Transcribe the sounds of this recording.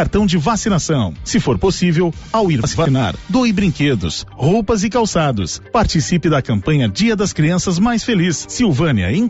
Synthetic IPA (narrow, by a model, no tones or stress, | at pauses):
aɾt̪ɐ̃w̃d͡ʒɪvasinasɐ̃w̃sɪfoɾposivewawiɾsivaina̰ɾd̪ojbɾĩked̪ʊ̰showpɐzɪkawsad̪ʊ̰spaɾt͡ʃisipɪd̪ɐkɐ̃mpɐ̃ɲɐd͡ʒiɐd̪ɐskɾiɐ̃sɐzmajsfelisːiwvɐ̃nɐ̰ẽ